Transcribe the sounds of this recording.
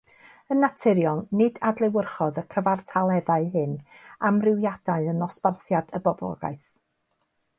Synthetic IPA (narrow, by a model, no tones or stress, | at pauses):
ənːatʰɪɾjɔlˠnɪdadlˠɪwərχɔðəkʰəvartʰalˠɛðaɨɦɨnamrɪwjad̥aɨənɔsparθjad̥əbɔblˠɔ̰ɡa̰ɨθ